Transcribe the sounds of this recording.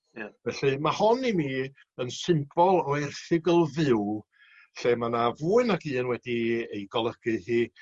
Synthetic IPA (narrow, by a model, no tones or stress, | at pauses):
javɛɬɨmahɔnimi | ənsɪmb̥ɔlˠɔɛrθɪɡəlˠvɪw | ɬɛmanavuːɨnaɡiːənwɛdiejɡɔlˠəɡ̥ɨhiː